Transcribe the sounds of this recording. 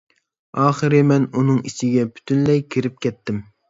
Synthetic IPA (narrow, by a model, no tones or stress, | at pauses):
ɑːχɨɾɪmɛnunɨŋit͡ʃʰɪɡʲɛpʰy̥t̪ʰynlɛjkʲʰiɾɪp̚kʲʰɛt̪ːɪm